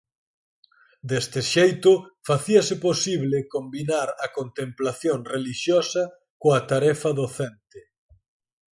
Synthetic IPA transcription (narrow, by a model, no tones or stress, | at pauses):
d̪est̪ɪʃejt̪ʊfaθiɐsɪposiβlɪkombinaɾɐkont̪emplaθjoŋreliʃjɔsɐ | koɐt̪aɾɛfɐðoθɛnt̪ɪ